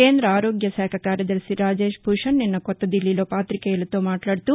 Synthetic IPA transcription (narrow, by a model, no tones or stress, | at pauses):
keːnd̪ɾɐaːɾoːɡjɐsɛːkʰɐkaːɾjɐd̪ɐɾsiɾaːd͡ʒeːʃbʱuʂɐnːinːɐkɔt̪ːɐd̪ilːiloːpaːt̪ɾikejɐlɐt̪o̞ːmaːʈlaːɽt̪u